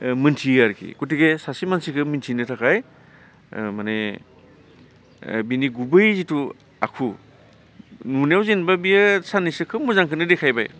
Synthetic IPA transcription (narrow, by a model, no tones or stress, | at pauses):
mɯntʰiaɾkʰḭkutiɡesasimansikʰɯmintʰinɯtʰakʰaj | mane | biniɡubɯjzitu | a̰kʰu | nunjawzinbabijasanisɯkʰɯmuzaŋkʰɯnɯdekʰajba̰j